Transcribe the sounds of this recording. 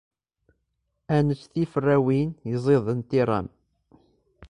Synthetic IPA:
ænət͡sːθifərːæwinjəzˤeðˤənt̪iɾˤɑ̰n

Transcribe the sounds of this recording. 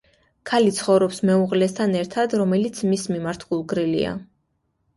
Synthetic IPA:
kʰalit̪sʰχɔvɾɔpsmɛuʁlɛst̪ʰanɛɾt̪ʰad̪ɾɔmɛlit̪sʰmismimaɾt̪ʰɡ̥ulˠɡɾilḭa̰

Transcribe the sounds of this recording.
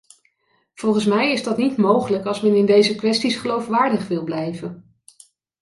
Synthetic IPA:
v̥ɔlˠχənsmɛjɪzdɑtnitmowχələkɑlˠsmɛnɪndejzəkʋɛstisχəlowfʋaːɹdəχʋɪlˠblɛjvən

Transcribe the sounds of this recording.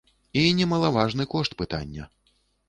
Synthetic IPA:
inʲɛmɐlˠavaʐnɨkɔʂt̪pɨt̪a̰nʲːɐ

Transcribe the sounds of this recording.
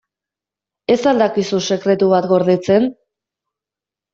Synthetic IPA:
e̞sald̪akisuse̞kɾe̞t̪uβat̪ɡo̞ɾðet͡se̞n

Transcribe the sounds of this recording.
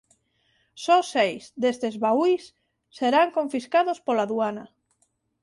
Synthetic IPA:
sɔsejzd̪est̪ezβaujsː | eɾaŋkoɱfiskaðospolaðuana

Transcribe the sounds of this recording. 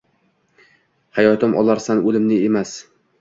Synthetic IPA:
hajɒt̪ɪmʔɒ̰laɾsanɵlɪmnɪemas

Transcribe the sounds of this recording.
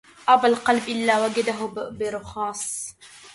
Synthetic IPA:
ʔɑbalqɑlbʔɪlːaːwaɡad̪aɦʊbɪɾʊxɑːsˤ

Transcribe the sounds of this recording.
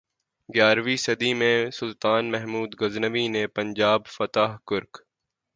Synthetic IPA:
ɡjaːɾʋisɐd̪imẽsʊlt̪aːnmɛɦmuːd̪ɡɐznəʋinepɐ̃ɲd͡ʒaːbfɐt̪aːɦkʊɾk

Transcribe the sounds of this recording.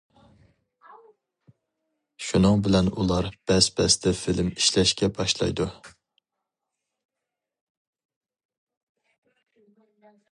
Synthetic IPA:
ʃunɨŋbɪlɛnulˠɑɾb̥ɛspɛst̪ʰɛfɪlɪmiʃlɛʃkʲɛbɑʃlˠɑ̰jd̪u

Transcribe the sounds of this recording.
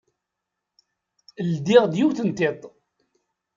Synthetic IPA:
ld̪iʁd̪juwθənt̪et̪ˤ

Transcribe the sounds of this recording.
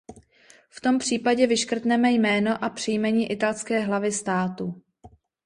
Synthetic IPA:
ft̪o̞mpr̝̥iːpaɟɛvɪʃkr̩t̪nɛmɛjmɛːno̞ʔapr̝̥ɪjmɛɲiːʔɪt̪alskɛːɦlavɪst̪aːt̪u

